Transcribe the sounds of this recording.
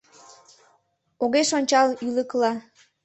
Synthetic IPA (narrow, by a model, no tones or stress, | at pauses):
oɣeʃonʲt͡ɕɑliləklɑ